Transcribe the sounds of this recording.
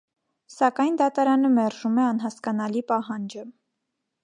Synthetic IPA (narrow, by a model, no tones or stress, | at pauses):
sɑkɑjnd̪ɑt̪ɑɾɑnəmɛɾʒumɛɑn̪ɦɑskɑnɑlipɑɦɑnd͡ʒə